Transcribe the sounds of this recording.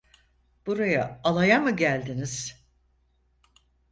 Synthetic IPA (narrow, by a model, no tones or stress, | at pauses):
b̥uɾajaːlˠajamɯɟælʲd̪iniz̥